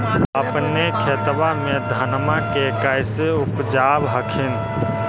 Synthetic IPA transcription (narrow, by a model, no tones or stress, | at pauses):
əpnekʰet̪ʋamẽd̪ʱənmakekaɪseʊpd͡ʒaːbɦəkʰɪn